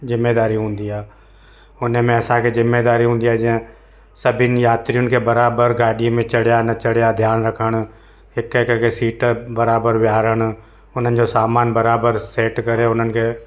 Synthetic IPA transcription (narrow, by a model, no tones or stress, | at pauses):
zɪmːeːd̪aːɾiɦũːnd̪iaː | ʊnəmẽɐsãkʰezɪmːeːd̪aːɾiɦũːnd̪iaːɦd͡ʑɪə̃ | sɐbʱɪnɪ̆jaːt̪ɾijʊnɪ̆kʰebɐɾaːbəɾɡaːɗiẽmẽt͡ɕɐɽjanɐt͡ɕɐɽjad̪ʱjaːnɾɐkʰəɽ̃ | ɦɪkekkesiːʈbɐɾaːbəɾʋjaːɾəɽ̃ | ʊn̤ənɪ̆d͡ʑosaːmaːnbɐɾaːbəɾseːʈkɐɾeʊn̤ənɪ̆kʰeː